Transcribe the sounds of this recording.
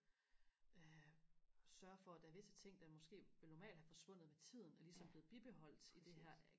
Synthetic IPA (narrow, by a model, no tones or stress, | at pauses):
ø | sɶɐfɒ̽æd̥ææɐʋe̝sə̥t͡sʰe̝ŋ̰d̥ɑ̈mɒ̽sɡ̥e̝̰ːʋe̝lnɒmɛ̰ːld̥hæfɒ̽sʋɔ̽n̰ð̩ˠʋet͡sʰið̞̰ˠn̩æɐlisɒ̽mb̥le̝ːð̩ˠb̥ib̥e̝ɦɒ̽l̰d̥id̥e̝ɦæɐ̰